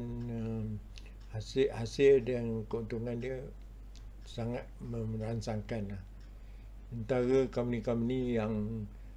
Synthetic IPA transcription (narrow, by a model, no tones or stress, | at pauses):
nəm | hashasɪldankəunt̪uŋãndiə | saŋat̪̚mə̃mransaŋkanlah | ənt̪aɾəkomunĩkamunijaŋ